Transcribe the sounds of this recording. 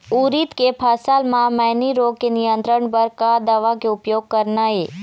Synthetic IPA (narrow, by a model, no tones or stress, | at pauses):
uːɾiːt̪kepʰaːsaːlmãmaːniɾoːɡ̚kenɪjə̃nt̪ɾəɳpɐɾkad̪ɐʋakeʊpjoːɡ̚kəɾnaːɦeː